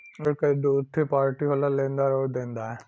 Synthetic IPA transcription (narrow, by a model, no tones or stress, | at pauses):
ekaid̪ut̪ʰːipaːɾʈiɦolalẽnd̪aɾɔːɾd̪ẽnd̪aɛ